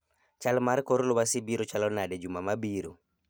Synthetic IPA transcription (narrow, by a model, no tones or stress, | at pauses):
t͡ʃalmaɾkoɾlowasibiɾot͡ʃalɔnadɛd͡ʒumamabiɾo̰